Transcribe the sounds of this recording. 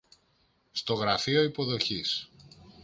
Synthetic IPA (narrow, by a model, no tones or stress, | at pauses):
st̪o̞ɣɾɐfio̞ipo̞ðo̞çis